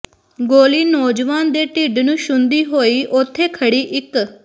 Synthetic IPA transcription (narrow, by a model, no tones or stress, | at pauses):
ɡoːliːnɔːd͡ʒʋaːnd̪eːʈiːɖnũːʃʊnd̪iːɦoːiːʔʊt̪ʰːeːkʰəɽiːʔɪk